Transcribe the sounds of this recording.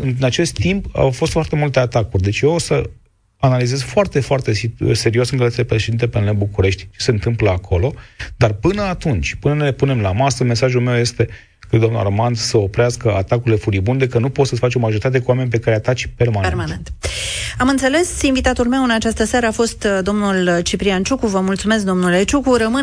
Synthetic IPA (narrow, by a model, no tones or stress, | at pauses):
ɨnnat͡ʃe̞st̪t̪ːimpa̰wfost̪foart̪e̞mult̪e̞at̪akurʲd̪e̞t͡ʃʲjeosə | analize̞zfoart̪e̞foart̪e̞sse̞ɾiosɨŋkəlat̪ʲilepɾeʃed̪int̪epenlebukuɾe̞ʃt̪ʲt͡ʃe̞̥se̞ɨnt̪ɨmpləakʰo̞lo̞d̪̥arpɨnəat̪unt͡ʃʲpɨnənelepune̞mlamasəme̞saʒulme̞wje̞st̪e̞ | kɾed̪d̪onṵla̰rmand̪səo̞pɾeaskəat̪akuɾile̞fuɾibund̪e̞kənupot̪səfat͡ʃo̞maʒo̞ɾit̪at̪e̞kuwame̞nʲpe̞kaɾeat̪at͡ʃpe̞rmanmanent̪amɨnt̪se̞le̞sinvit̪at̪ulme̞wɨnat͡ʃast̪əsaɾəafo̞st̪d̪o̞mnult͡ʃipɾiant͡ʃukuvəmult̪sume̞sk̚d̪o̞mnule̞t͡ʃukurəmɨ